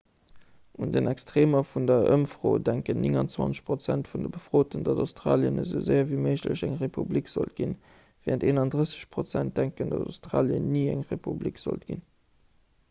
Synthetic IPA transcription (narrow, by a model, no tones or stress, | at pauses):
ʔundənʔɛkstʁ̥eːmɐfundɐʔə̰mfʀoːdæŋkənnʔɪŋɑnt͡swɑ̰nt͡sə̥ɕpʁ̥ot͡sæntfundəbəfʁoːtəndɑdaʊstʁɑ̰ːljənəzəʊzəɪɐviːməɪʑlə̰ɕæŋʁepʰublikz̥o̰lt̚ɡ̥in | vɛːənteːnɑndʁəsə̥ɕpʁot͡sænt̚d̥æŋkəndɑdaʊstʁɑːljə̰niːæŋʁepublikz̥o̰lt̚ɡ̥ḭn